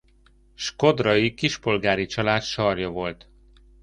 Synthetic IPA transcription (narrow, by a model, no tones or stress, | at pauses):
ʃko̞d̪rɒjikiʃpo̞lɡaːɾit͡ʃɒlaːt̪ʃɒrjɒvo̞lt̪